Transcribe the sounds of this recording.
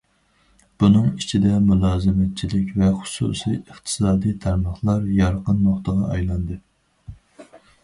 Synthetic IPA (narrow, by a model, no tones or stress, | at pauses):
b̥unɨŋit͡ʃʰid̪ɛmulˠɑːzɨmɛt̪̚t͡ʃʰilɪkʲvɛχʊ̥sṵːsijəχt̪ʰɨ̥sɑːd̪ijt̪ʰɑɾmɑχlˠɑɾjɑɾqənmɑχt̪əʁɑɑjlˠɑnd̪ɨ